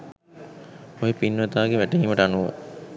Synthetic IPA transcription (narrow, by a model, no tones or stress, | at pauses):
ojepinːʋɐt̪aːɡeʋæʈeɦiːmɐʈəanuʋo̰